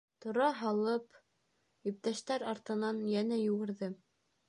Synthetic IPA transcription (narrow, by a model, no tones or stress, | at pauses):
t̪ŏɾɑɦɑlˠɤp | ip̚t̪æʃt̪æɾɑɾt̪ɤ̆nɑnjænæjŭɣɘ̆ɾðɘ